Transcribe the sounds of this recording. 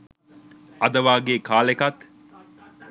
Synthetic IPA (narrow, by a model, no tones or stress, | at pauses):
ɐd̪ɐʋaːɡeːkaːlekɐt̪